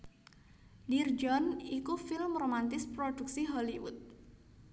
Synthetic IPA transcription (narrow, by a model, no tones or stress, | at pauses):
dird͡ʒɔnikufɪlmromant̪ɪspɾod̥uk̚siɦɔliwṵt̪̚